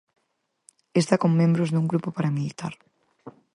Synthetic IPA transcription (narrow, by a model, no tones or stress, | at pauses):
est̪akoŋmẽmbɾozðuŋɡɾupopaɾamilit̪aɾ